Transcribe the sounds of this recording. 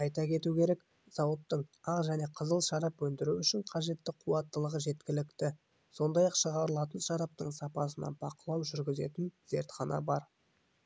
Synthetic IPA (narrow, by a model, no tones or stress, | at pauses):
ɑjt̪ɑkʲʰe̞t̪ukʲe̞ɾe̞k | z̥ɑwət̪ːəɴɑʁʒæne̞qʰəzəlˠʃɑɾɑpwɵnd̪ɪɾuʏʃɪɴqʰɑʒe̞t̪ːɪqʰuwɑt̪ːəlˠəʁəʒe̞t̪kʲɪlɪkt̪ɪ | so̞nd̪ɑjɑqʃəʁɑɾəlˠɑt̪ənʃɑɾɑp̚t̪əɴsɑpɑsənɑ̰b̥ɑqəlˠɑwʒʏɾɡʲɪze̞̰t̪ɪnz̥e̞̰ɾt̪χɑnʔɑ̰bɑɾ